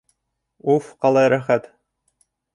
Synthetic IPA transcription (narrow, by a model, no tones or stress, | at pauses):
ufqɑlˠɑjɾæχæt̪